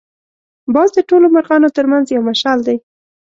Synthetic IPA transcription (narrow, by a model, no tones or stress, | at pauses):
bɑzd̪əʈolomaɾɣɑnot̪əɾmanzjawmaʃɑld̪aj